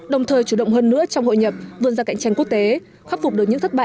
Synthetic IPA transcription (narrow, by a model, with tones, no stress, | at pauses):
ɗə˨˩wŋ͡mt̪ʰəː˨˩jt͡ɕu˧˩ɗə̰˧˨wŋ͡mɦəː˧nːɨ̰˧˥ət͡ɕɔ˧wŋ͡mho̰˧˨jɲə˨˩p̚vɨ˧ənzaː˧ka̰˧˨jŋ̟t͡ɕa˧jku˦˥ək̚t̪e˨˦ | xa˦˥p̚fk͡p̚ɨ˨˩ək̚ɲ̰ɨ̰˧˥ŋt̪ʰə˦˥t̚ɓa̰ː˧˨